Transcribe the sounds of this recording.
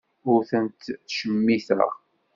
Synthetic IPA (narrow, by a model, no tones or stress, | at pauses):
ʊɾθənt̪θʃəmːiθə̰ʁ